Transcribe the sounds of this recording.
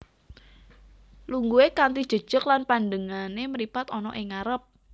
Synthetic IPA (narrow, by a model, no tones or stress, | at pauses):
luŋɡuekant̪id̥ʒ̥ə̤d̥ʒ̥əklanpandəŋaneməɾipat̪ɔnɔ̰ʔɪŋaɾəp̚